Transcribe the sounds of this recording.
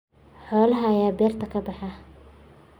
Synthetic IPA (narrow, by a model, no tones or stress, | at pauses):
ħɔːlɐɦɐjaːbɛːrt̪ʰɐkʰɐbɑħɑ